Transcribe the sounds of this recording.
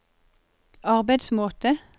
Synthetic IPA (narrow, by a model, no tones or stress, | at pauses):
ɑʁbæɪd̪smoːt̪ə